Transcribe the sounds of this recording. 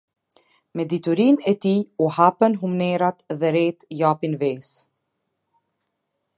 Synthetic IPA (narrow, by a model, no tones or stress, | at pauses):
mɛd̪it̪uɾinɛt̪iuhapənɦumnɛɾat̪ðɛɾɛt̪japinvɛs